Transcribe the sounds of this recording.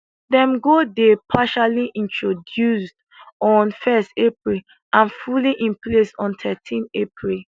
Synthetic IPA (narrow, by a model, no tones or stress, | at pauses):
dɛ̃mɡodepʰaʃaliʔĩntʰɹodjusd | ɔ̃nfɛstepɹil | ãnfuliʔĩnplesɔ̃ntʰɛtʰĩnepʰɹil